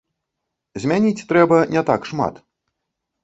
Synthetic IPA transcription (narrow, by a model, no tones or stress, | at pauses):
zʲmʲanʲit͡sʲt̪ɾɛbɐnʲɛt̪a̰kʂma̰t̪